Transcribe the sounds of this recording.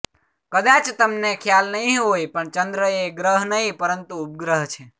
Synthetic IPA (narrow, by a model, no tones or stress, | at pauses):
kəd̪at͡ʃt̪əmnekʰjalnəɦĩɦojpəɳt͡ʃənd̪ɾəeɡɾəɦnəɦĩpəɾənt̪uːp̚ɡɾəɦt͡ʃʰe